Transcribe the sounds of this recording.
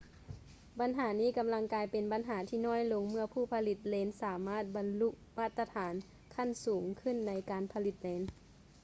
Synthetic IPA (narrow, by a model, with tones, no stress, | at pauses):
ba˨˧nɦaː˩˦niː˥˨ka˨˧mla˧ŋkaː˧jpe˨nba˨˦nɦaː˩˦t̪ʰiː˧˨nɔː˧˥˨jlo˧ŋmɯ˧˩ɐpʰuː˧˩pʰa˧li˧˩t̪̚leː˨˧˥nsaː˨˩˦maː˥˩t̪̚ba˨nlu˧ʔmaː˧˥˩t̪ːa˧t̪ʰaː˩˦n | kʰa˧˥˨nsuː˩˦ŋkʰɯ˧˥˨nːa˧jkaː˨npʰa˧li˧˦t̪̚leː˨˧˦n